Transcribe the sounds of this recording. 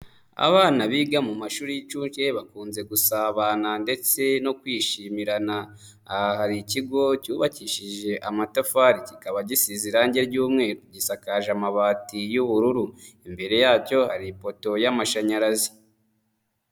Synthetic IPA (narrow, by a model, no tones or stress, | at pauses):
a̰βaːnaβiɡamumaʃuːɾijit͡ʃuːnt͡ʃe̞βakuːnze̞ɡusaːβaːnande̞t͡se̞no̞kwiːʃimiɾanaː | haɾiciɡo̞cuːβaciʃiʒe̞ʔamatafaɾicikaβaɟisiziɾaːɲɟe̞ɾɟuːmŋe̞ːɾuɟisakaʒamaβaːtijuβuɾuɾuimbe̞ɾe̞jaːco̞haɾipo̞to̞jamaʃaɲaɾazi